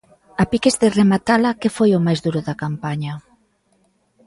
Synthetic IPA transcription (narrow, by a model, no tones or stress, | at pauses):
apikezðeremat̪alɐkefojomajzðuɾʊðɐkampaɲɐ